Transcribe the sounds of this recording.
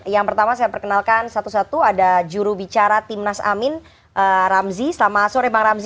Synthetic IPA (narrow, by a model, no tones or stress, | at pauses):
jaŋpərt̪amasajapərkənalkansat̪usat̪uadad͡ʒuɾubit͡ʃaɾat̪imnasa̰mɪn | ʔəɾamzisəlamaːsɔɾebaŋɾamz